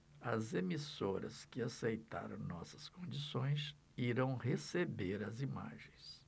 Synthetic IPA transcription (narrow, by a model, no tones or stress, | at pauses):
ɐzemisoɾɐ̰skɪasejt̪a̰ɾɐ̰̃w̃nɔsɐ̥skõnd͡ʒisõj̃s | iɾɐ̃w̃hesebeɾɐzima̰ʒẽj̃s